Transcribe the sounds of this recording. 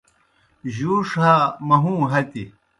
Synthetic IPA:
ʑuːʂɦamɐɦũːɦɐt̪i

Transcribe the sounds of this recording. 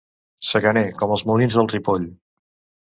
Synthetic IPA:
səɣənekɔməlˠzmulinzðəlˠt̪ripoʎ

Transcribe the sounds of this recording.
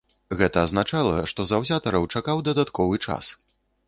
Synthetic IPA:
ɣɛt̪ɐːznat͡ʂalˠɐʂt̪ɔzawzʲat̪ɐɾɐwt͡ʂakawd̪ɐd̪at̪kʰɔvɨt͡ʂa̰s

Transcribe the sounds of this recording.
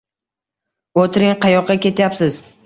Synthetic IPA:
ot̪ʰɪɾɪŋqʰɑjɒqːɑkʲe̞t̪japsɪz̥

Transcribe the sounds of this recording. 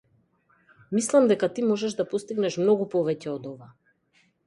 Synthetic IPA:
mislˠamd̪ɛkat̪imɔʒɛʒd̪apɔst̪iɡnɛʃmnɔɡupɔvɛcɛɔd̪ɔva

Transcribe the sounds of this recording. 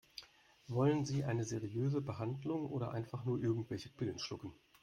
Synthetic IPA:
vɔlənziːʔaɪnəzeːʁiøːzəbəɦandlʊŋʔoːɾɐ̰ʔa̰ɪnfaχnuːɐʔɪɐɡŋ̩tv̥ɛlçəkv̥ɪlənʃlʊkn̩

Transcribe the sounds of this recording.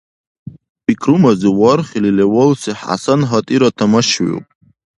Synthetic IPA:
bikʰrumaziwɔrχʲililewolsiħa̰sanɦatʼiɾatʰamaʃɥo̰pʼ

